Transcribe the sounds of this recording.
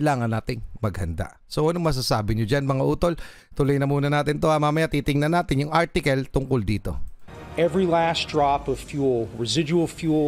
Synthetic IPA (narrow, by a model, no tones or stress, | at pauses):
laːŋɐnːaːt̪ɪŋmɐɡhɐnd̪a̰ | soʔɐnoŋmɐs̬asaːbɪɲod͡ʒanmɐŋaʔuːt̪o̞l | t̪ʊlojnɐmuːnɐnaːt̪ɪnt̪o̞ɐmamɐjat̪iːt̪ɪŋnɐnaːt̪ɪnjʊŋʔaɹt̪ɪkɐlt̪ʊŋkold̪iːt̪o̞̰ | ɛvɹilæsd̥ɹɑpʌv̥fjulˠɹɨzɪd͡ʒul̩ˠfju